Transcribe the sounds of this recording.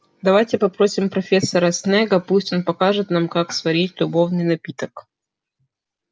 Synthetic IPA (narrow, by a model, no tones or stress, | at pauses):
d̪ɐvajtʲɪpɐpɾo̞sʲɪmpɾɐfʲe̞sːəɾɐsnɛɡəplusʲtʲonpɐkaʐɨt̪namkaksvɐɾʲitʲlʲʊbo̞vnɨjnɐpʲit̪ək